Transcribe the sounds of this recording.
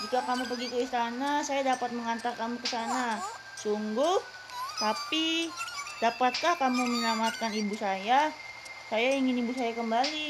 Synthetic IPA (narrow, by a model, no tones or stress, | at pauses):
d͡ʒikakamupəɡikuist̪anasajadapat̪̚məŋant̪arkamukəsana | suŋɡʊh | t̪api | d̥apat̪̚kahkamumənamat̪̚kanibusaja | sajaiŋɪnibusajakəmbali